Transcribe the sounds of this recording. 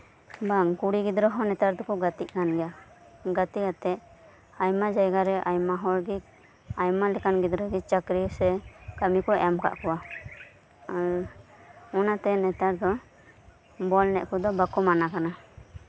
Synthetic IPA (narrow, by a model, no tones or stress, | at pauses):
baŋkuɽiɡid̪ɾɔɦɔnɛt̪aɾd̪ɔkɔɡat̪iʔkanɡɛja | ɡat̪ikat̪ɛ | ajmad͡ʒajɡaɾɛʔajmaɦɔɾɡik̚ | ajmalɛkanɡid̪ɾɔɡit͡ʃakɾisɛkamikɔɛamka̰ʔkɔwa | aɾ | ɔnat̪ɛnɛt̪aɾd̪ɔ | bɔlnɛʔkɔd̪ɔbakɔmanakana